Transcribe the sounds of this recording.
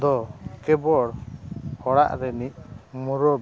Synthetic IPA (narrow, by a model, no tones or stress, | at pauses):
d̪ɔkɛbɔɽhɔɽa̰ʔɾɛnic̚ˀmuɾɔb